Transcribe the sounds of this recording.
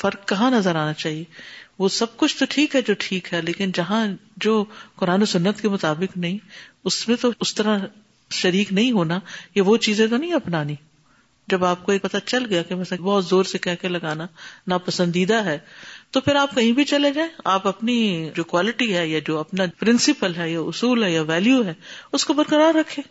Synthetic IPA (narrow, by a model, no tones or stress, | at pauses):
fɐɾkːɐɦãnɐzəɾaːnat͡ʃaːɦieʋoːsɐb̚kʊt͡ʃʰt̪oʈʰiːkɦɛd͡ʒoːʈʰiːkɦɛleːkɪnd͡ʒɐɦãd͡ʒoːkʊɾaːnosʊnːət̪kemʊt̪aːbɪknɐɦĩʊsmẽt̪oʊst̪ɐɾã | ʃɐɾiːknɐɦĩɦoːnajaʋot͡ʃiːzẽt̪̬onɐɦĩɐpnaːnĩ | d͡ʒɐbaːp̚koeːpɐt̪at͡ʃɐlɡɐjakemɛsẽbɔːt̪zoːɾsekɛɦkelɐɡaːnanapɐsə̃nd̪iːd̪aɦɛːt̪opʰɪɾaːp̚kɐɦĩbʱit͡ʃɐled͡ʒaːẽaːpɐpnid͡ʒoːkwaːlɪʈiɦɛːjad͡ʒoːɐpnapɾɪ̃nsɪpəlɦɛjaʊsuːlɦɛjaʋɛːljuɦɛːʊskobɐɾkəɾaːɾːɐkʰːẽː